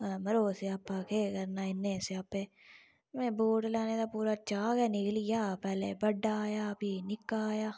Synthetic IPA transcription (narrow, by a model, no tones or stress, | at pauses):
mɐɾoːseapːakʰekɐɾnaɪnːeseaːpeː | mẽboːʈlaːned̪apuːɾat͡ʃaːɡɛnɪklijaːpɛːlebɐɖːaːjabʱinɪkːaːjaː